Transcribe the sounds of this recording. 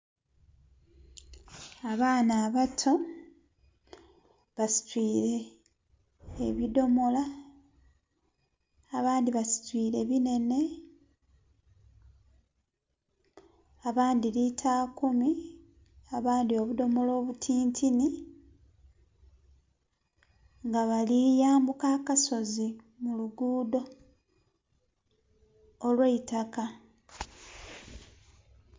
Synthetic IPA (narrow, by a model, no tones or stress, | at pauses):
aβaːnaːβatʰo̞ | βasi̥twiːɾe̞ | eβido̞mo̞la | βaːndiβasi̥twiːɾe̞βine̞ne̞ | aβaːndilitʰaːkumi | aβaːndio̞βudo̞molo̞ːβutʰiːntʰini | ŋɡaβalijaːmbukaːkaso̞zi | muluɡuːdo̞ | lweitaka